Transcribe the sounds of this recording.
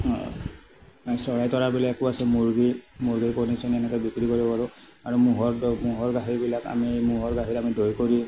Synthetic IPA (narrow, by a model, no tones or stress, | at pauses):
asɔɹajtɔɹabilakuasɛmuɹɡimuɹɡipɔnisɔnɛnɛkɔbikɹikoɹibɔpaɹʊ | aɹumuɦɔɹmuɦɔɹɡaɦiɹbilaka̰miejmuɦɔɹɡaɦiɾamidojkoɹi